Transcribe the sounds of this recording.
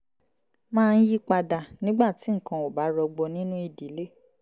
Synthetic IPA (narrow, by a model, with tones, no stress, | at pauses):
mãː˦˧n̩˦ji˦k͡pa˧da˨nĩ˦ɡ͡ba˦˨ti˨˦ŋ̩˨kã˧o˨ba˨˦ɾɔ˧ɡ͡bɔ˧nĩ˦nũ˦i˧˨di˨˦le˦